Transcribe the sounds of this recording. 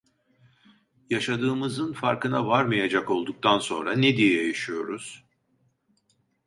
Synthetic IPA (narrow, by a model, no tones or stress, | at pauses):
jaʃad̪ɯːmɯzɯnfaɾkɯnavaɾmajad͡ʒako̞lˠd̪uk̚t̪ʰanso̞̰nɾaned̪ijɛjejiʃijo̞ɾuz̥